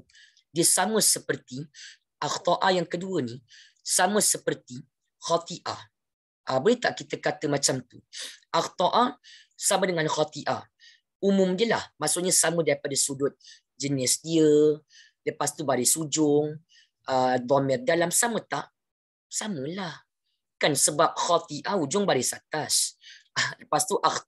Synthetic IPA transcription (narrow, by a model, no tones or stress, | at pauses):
diəsamə̃səpərt̪i | ʔaxt̪ɔʔajaŋkəduəni | samə̃səpərt̪i | xat̪iʔa̰ | ʔəbolɛt̪aʔkit̪əkat̪əmat͡ʃamt̪uʔaxt̪ɔʔa | samədəŋanxɔt̪iʔa̰ | umʊ̃mdiəlahmaʔsʊʔɲasamədaɾipadasudʊt̪̚ | d͡ʒənɪsdiə | ləpast̪ubaɾɪsud͡ʒʊŋ | ʔəd̪ɔmɛrdalamsamət̪aʔ | samə̃lah | kansəbap̚xɔt̪iʔaud͡ʒʊŋbaɾɪsat̪as | ləpast̪uʔax